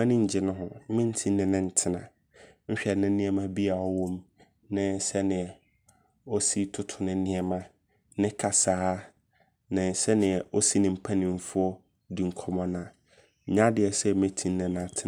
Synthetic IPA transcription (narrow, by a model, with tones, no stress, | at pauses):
mã˦nɪ̃˦ɲ̩˨d͡ʑɪ˨nʊ̃˦ɦʊ̃˨˦mɪ̃˦n̩˦tʰĩ˦nː˦ɪ̃˨nɪ̃˦˨n̩˨tʰɪ˦nã˨ | ɲ̩˦ɕᶣɛ˨nɪ̃˦nɪ̃˦ɛ˦mã˦bi˦a˨ɔ˦wɔ̃˦m | nɪ̃˦sɛ˦nɪ̃˨ɛ˨ | ɔ˦si˦tʰʊ˦tʰʊ˨nɪ̃˦nɪ̃˦ɛ˦mã˦ | nɪ̃˦kʰa˨saː˨˦ | nɪ̃˨sɛ˦nɪ̃˨ɛ˨o˦si˦nɪ̃˨m̩˨pʰa˦nɪ̃˨m˨˦fʊ˦ɔ˦ | di˨ŋ̩˨kʰɔ˦mɔ̃˦nã˨˦ | ɲã˦dɪ˨ɛ˨sɛ˦mẽ˦tʰĩ˦nː˦ɪ̃˨nã˨tʰɪ˦˨